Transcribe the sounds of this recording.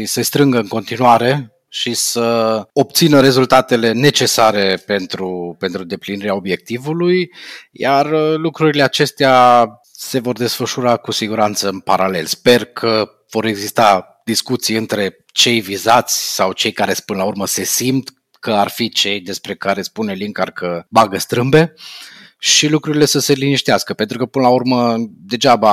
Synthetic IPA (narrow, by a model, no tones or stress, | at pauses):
isəst̪ɾɨŋɡəɨŋko̞nt̪inuaɾe̞ | ʃisəo̞p̚t̪sinəɾe̞zult̪at̪e̞le̞ne̞t͡ʃe̞saɾe̞pe̞nt̪ɾupe̞nt̪ɾud̪e̞pliniɾeao̞bje̞k̚t̪ivulujjarlukɾuɾileat͡ʃe̞st̪ea | se̞vo̞rd̪e̞sfəʃuɾakusiɡuɾant̪səɨnpaɾale̞lspe̞rkʰə | v̥o̞ɾe̞ɡzist̪a | d̪̥iskut̪sijɨnt̪ɾe̞ | t͡ʃe̞jvizat̪sʲsawt͡ʃe̞jkaɾe̞spɨnəlaurməse̞simt̪ | kəarfit͡ʃe̞jd̪e̞spɾe̞kaɾe̞spuneliŋkarkʰəbaɡəst̪ɾɨmbe̞ | ʃilukɾuɾile̞səseliniʃt̪ieaskəpent̪ɾukəpɨnəlaurməd̪e̞d͡ʒaba